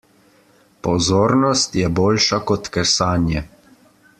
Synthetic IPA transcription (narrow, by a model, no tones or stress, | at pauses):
pɔzoːɾnɔst̪jɛboːlʃakɔt̪kɛsaːnjɛ